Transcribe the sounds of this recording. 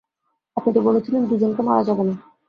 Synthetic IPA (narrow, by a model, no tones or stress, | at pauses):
apniʈibolet͡ɕʰilenbid͡ʑenkemaɾad͡ʑabena